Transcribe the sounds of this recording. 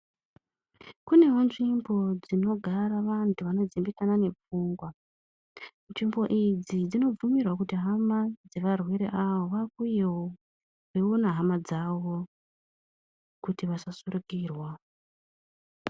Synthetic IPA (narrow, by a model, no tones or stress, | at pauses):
kune̞ɦonʐimbo̞d͡zino̞ɡʱaɾaʋantʰuʋano̞d͡zimbikanane̞p͡fuːŋɡwa | nʐimbo̞ʔid͡zid͡zino̞b͡vumirwakutiɦamad͡ze̞ʋarwe̞ɾe̞̰ʔawoʋakujewo | ʋeunaɦamad͡zaʋo | kutiʋasasurukiːrwa